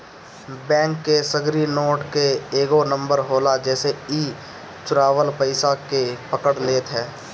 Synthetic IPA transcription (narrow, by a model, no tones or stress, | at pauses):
bɛ̃ːŋkːesəɡɾinoːʈkeeːɡonə̃mbəɾɦoːlad͡ʒɛːseiː | t͡ʃʊɾaːʋəlpəɪsakepəkəɽleːt̪ɦɛː